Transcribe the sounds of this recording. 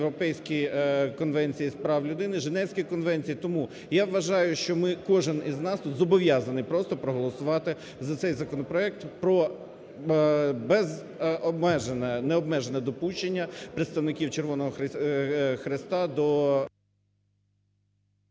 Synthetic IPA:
ɾɔpɛjsʲkʲijkɔnʋɛnʲt͡sʲijispɾɑwlʲʊd̪ɪnɪʒenɛwsʲkʲijkɔnʋɛnʲt͡sʲijit̪ɔmu | jaʋʋɐʒɑjʊʃt͡ʃɔmɪkɔʒɪniznɑst̪ut̪zɔbɔʋʲjɑzɐnɪjpɾɔst̪ɔpɾɔɦɔlˠɔsʊʋɑt̪ɪ | zɐt̪sɛjzɐkɔnɔpɾɔɛk̚t̪pɾɔ | bɛz | ɔbmɛʒnɛnɛɔbmɛʒenɛd̪ɔpuʃt͡ʃenʲːɐpɾet̪st̪ɐwnɪkʲiwt͡ʃerʋɔnɔɦɔx | xɾɪst̪ɑd̪ɔ

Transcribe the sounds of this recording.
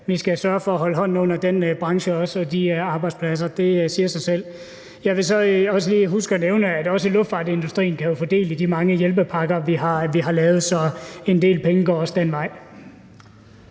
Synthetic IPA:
ʋisɡ̥æsɶːɐfɒ̽æɦɒ̽ləɦɒ̽n̰n̩ɔ̽n̰ɐd̥en̰b̥ʁɑ̈ŋɕəɒ̽sɒ̽d̥iɑ̈ːb̥ɑ̈ɪd̥spʰlæs̬ɐd̥e̝siːɐsɑ̈ɪsel̰ | jɑ̈ɪʋe̝sɒ̽ɒ̽səliːɦusɡ̥ɒneʊnəæd̥ɒ̽s̬əlɔfd̥fɑ̈ːd̥e̝nd̥usd̥ʁḭːn̩kʰæjo̝fɒ̽d̥e̝̰ːlid̥imɑ̈ŋəjelb̥əpʰɑ̈ɡ̥ɐʋiɦɑ̈ʋiɦɑ̈lɛːʊð̞̩ˠsɒ̽e̝nd̥e̝̰ːlpʰeŋəɡ̥ɒ̰ːɒ̽sd̥enʋɑ̈ɪ̰

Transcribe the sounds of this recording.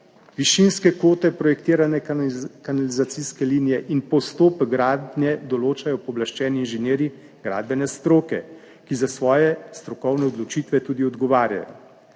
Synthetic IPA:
ʋiʃinskɛkoːt̪ɛpɾɔjɛkt̪iːɾanɛkanalizat̪siskɛlinijɛʔinpɔst̪oːpɡɾaːd̪nʲjɛd̪ɔloːt͡ʃajɔpɔblaʃt͡ʃɛːniːnʒɛnjeːɾi | ɡ̥ɾa̰ːd̪̚bɛnɛst̪ɾoːkɛ | kizasʋɔːjɛst̪ɾɔkɔwnɛɔd̪lɔt͡ʃiːt̪ʋɛt̪uːd̪iɔd̪ɡɔʋaːɾja̰jɔ̰

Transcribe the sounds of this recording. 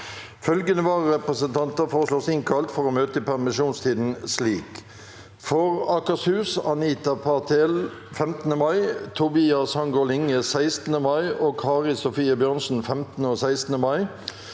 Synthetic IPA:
fœlɡənəʋɑːʁʁɛpʁəsənt̪ʰɑnt̪əfɔʁəsloːsɪŋkʰɑlt̪fɔʁoːmøːt̪əpʰæʁmɪʃuːnst̪ʰiːd̪n̩sliːk | fɔʁɑkɑshʉːsɑniːt̪ɑpʰɑt̪ʰel | fɛmt̪ən̩əmɑɪt̪ʰʊbiːɑshɑŋɡolɪŋəsæɪst̪nəmɑɪʔoːkʰɑːʁɪsʊfiːəbjøʁnsn̩fɛmt̪n̩əoːsæɪst̪n̩əmɑɪ

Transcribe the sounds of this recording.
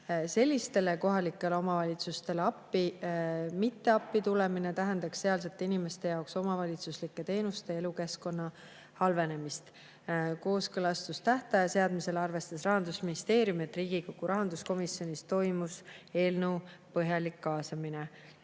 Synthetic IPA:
se̞lʲːist̪e̞le̞ko̞ɦɑlikːˑe̞leomɑvɑlʲit̪sust̪e̞leɑpːi | mit̪ːe̞ɑpːit̪ulemine̞t̪æɦend̪ɑksseɑls̬et̪ːˑinime̞st̪e̞jɑokso̞mɑvɑlʲit̪suslikːˑe̞t̪e̞ːnust̪e̞e̞luke̞sko̞nːɑ | hɑlve̞ne̞mist̪ | ko̞ːskɤlɑst̪ust̪æht̪ɑjɑse̞ɑd̪mise̞lɑrve̞st̪ɑsrɑɦɑnd̪̥usminist̪e̞ːɾjumiet̪ːˑriːɡ̥ikoɡ̥uɾɑɦɑnd̪̥usko̞misjo̞nist̪o̞jmuse̞ːlnəwpɤɦjɑlikːɑːsɑmine

